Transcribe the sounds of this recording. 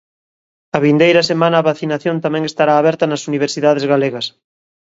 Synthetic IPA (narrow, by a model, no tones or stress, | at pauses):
ɐβind̪ejɾɐsemãnɐːβaθinaθjont̪amɛ̃ŋest̪aɾaːβɛɾt̪ɐnɐsuniβ̞eɾsiðaðezɣaleɣɐs